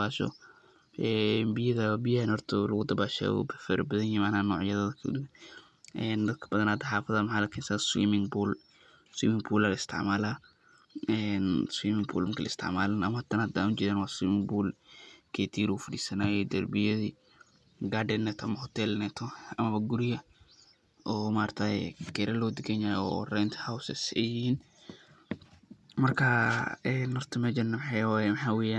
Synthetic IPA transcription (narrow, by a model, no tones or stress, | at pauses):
baːʃɔ̰ | ɛbɪjɐðɐbɪjanhɔɾt̪ʰɔlɐɣʊd̪ɐbaːʃɛ̰w̰bfɛɾbɐðɐnjɪmanaːnːɔːʕjɐðɐðkʰ | ʔɛːnd̪ɐd̪̚kʰɐ̥bɐðɐnad̪ɐħaːfɐðaːmħaːlɐkʰinsaswḭːmɪŋbuːl | swḭːmɪŋbuːlalɐɪst̪ʰɪ̰ʕmaːlaː | ɛnswiːmɪŋbṵːlmɪkʰilʔɐɪ̰st̪ʰɪ̰ʕmaːlanɐmɐhɐt̪ʰɐnad̪aːut͡ʃɪɾɛːnwaːswiːmɪŋbuːlkʰɛt̪ʰiːɾufɐdiːsɐnaːjɛd̪ɐrbɪjɐði | ɡaːɖɛnɛt̪ʰʔɐmɐhɔt̪ʰɛlnɛt̪ʰɔɐmɐβɐɡʊɾɪjɐ | ʔɔːmaːɾt̪ʰa̰ɡɛɾɐlɔːd̪ɪɡɛɲaːjɔ̰rɛnt̪hawsɛsɛjɪhiːn | mɐrkʰɐɛnːɔrt̪ʰɪmɛd͡ʒɐnːɐmħajwajɛmħaːwɛjaːn